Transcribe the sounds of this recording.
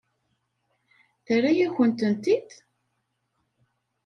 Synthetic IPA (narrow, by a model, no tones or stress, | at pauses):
θərːajæçənt̪ənt̪id̪